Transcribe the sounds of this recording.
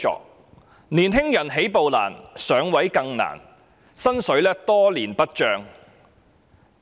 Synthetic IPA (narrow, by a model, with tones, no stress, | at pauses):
ɔ̰ː˨k̚ | niː˨˩nɦɪ˥ŋjɐ˨˩nɦe˨˥jpo˨wla̰ː˨˩nsœː˨˥ŋwɐ˨˥jkɐ˧ŋna̰ː˨˩n | sɐ˥nsɵ˨˥ɥlɛː˥t̪ɔː˥liː˨˩npɐ˥t̚t͡ʃœː˧ŋ